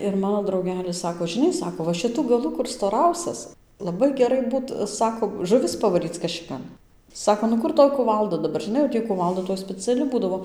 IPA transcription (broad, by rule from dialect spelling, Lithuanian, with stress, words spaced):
ɪr ˈmɑːnoː drɐʊˈɡʲæːlʲɪs ˈsɑːkoː ʒʲɪˈnɐɪ ˈsɑːkoː ʋɐ ʃʲɪˈtʊ ɡɐˈlˠʊ kʊr stoːˈrɐʊsʲɛs lˠɐˈbɐɪ ɡʲɛˈrɐɪ ˈbuːt ˈsɑːkoː ʒʊˈʋʲɪs pɐʋɐˈrʲiːt͡s kɐʃʲɪˈkɐn ˈsɑːkoː nʊ ˈkʊr ˈtoːj kʊˈʋɐlˠdɐ dɐˈbɐr ˈʒʲɪˈnɐɪ jɛʊ ˈtʲiː kʊˈʋɐlˠdɐ toːj sʲpʲɛˈt͡sʲæːlʲɪ ˈbuːdɐʋoː